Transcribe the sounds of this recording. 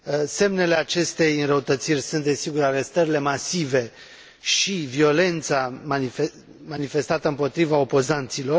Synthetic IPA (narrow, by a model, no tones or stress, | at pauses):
se̞mne̞le̞at͡ʃe̞st̪e̞jɨnrəut̪ət̪sirʲsunt̪̚d̪e̞siɡuɾaɾe̞st̪əɾile̞masive̞ | ʃivio̞le̞nt̪samaie | manife̞st̪at̪əɨmpo̞t̪ɾivao̞po̞zant̪silo̞r